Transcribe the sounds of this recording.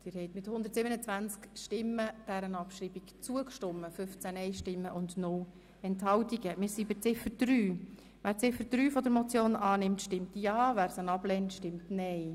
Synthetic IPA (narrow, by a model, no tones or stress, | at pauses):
d̥ɪːɾhɛɪtmɪthʊnd̪əɾtsɪbənət͡svænt͡skʃtɪmːəd̥æɾənɑpʃɾiːbikt͡suəkʃtɔmːəfʏft͡sænɛɪʃtɪmːəʔʊndnʊl | ɛnthɑwtiɡ̥əmɪːɾsibɪt͡sɪfəd̥ɾyː | ʋæːɾt͡sɪfəd̥ɾyːfɔd̪əɾmɔt͡sjoːnɑːnɪmtʃtɪmtjɑːvæːɾsənɑb̥lɛːntʃtɪmtnɛɪ